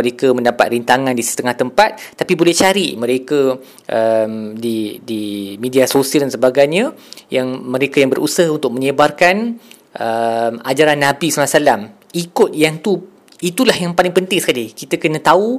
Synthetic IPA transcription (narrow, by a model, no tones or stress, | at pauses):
əɾekəmə̃ndapa̰t̪̚rint̪aŋãndisi̥st̪əŋaht̪əmpat̪̚ːapibolɛht͡ʃaɾimə̃ɾekə | ʔəmdidimediasosiəldansəbaɡajɲə̃jaŋmə̃ɾekajaŋbəɾʔṵsaɦunt̪ʊk̚mə̃ɲəbarkan | ʔəmad͡ʒaɾanːãbisulasalam | ikʊt̪̚jaŋt̪u | it̪ulahjaŋpalɪŋpənt̪ɪŋsə̥kalikit̪əkənə̃t̪au